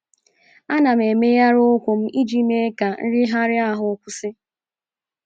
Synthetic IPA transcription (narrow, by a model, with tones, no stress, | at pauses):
a˦na˨m̩˨e˨me˦ja˦ɾʊ˦kʷʊ˨m̩˦i˦d͡ʒi˦me˦ka˨n̩˦ɾɪ˦ɦa˦ɾɪ˦a˦ɦʊ˨˦kʷʊ˦sɪ˦